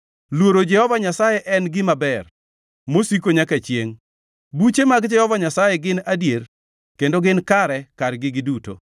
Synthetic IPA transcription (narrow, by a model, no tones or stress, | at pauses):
lwoɾod͡ʒɛhɔvaɲasajɛʔɛnɡɪmabɛr | mosikoɲakat͡ʃjeŋ | but͡ʃemaɡd͡ʒɛhɔvaɲasajɛɡɪnadjeɾ | kendoɡɪnkaɾɛkaɾɡɪɡɪduto̰